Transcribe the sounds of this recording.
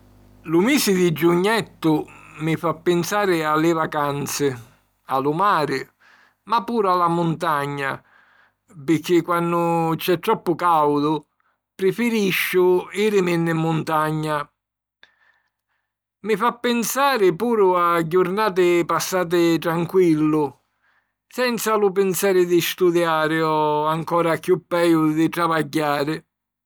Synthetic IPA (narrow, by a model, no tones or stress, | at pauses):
lʊmiːsɪd̪ɪd͡ʒuɲːɛt̪ːʊmɪfapːɪnsaːɾɪalːɪvakant̪sɪ | alʊmaːɾɪ | mapːuːɾʊalamʊnt̪aɲːa̰ | pɪk̟ːɪkːwanːʊt͡ʃɛt̪ːɾɔpːʊkawd̪ʊ | pɾɪfɪɾiʃːʊiːɾɪmɪnːɪmːʊnt̪aɲːa | mɪfapːɪnsaːɾɪpuːɾʊad͡ʒːʊɾnaːt̪̬ɪpasːaːt̪̬ɪt̪ɾaŋkwilːʊ | sɛnt̪salʊpɪnsaːɾɪd̪ɪst̪ud̪jaːɾɪɔaŋkɔːɾakjupːɛjʊd̪ɪt̪ɾavaɟːaːɾɪ